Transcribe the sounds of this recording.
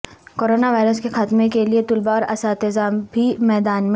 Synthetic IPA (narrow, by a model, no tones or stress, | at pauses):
koːɾoːnaʋaːɪɾəskexaːt̪mẽkeliet̪ʊlbaɔːɾɐsaːt̪ɪzaːmbʱimɛːd̪aːnm